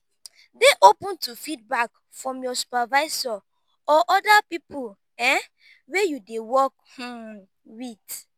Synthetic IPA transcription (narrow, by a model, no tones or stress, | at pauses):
deʔopũntufid̚bak | fɹɔ̃mjɔsu̥pavaɪzɔ | ɔʔɔdapipul | ɛ | wejudewɔk̚hũ | wit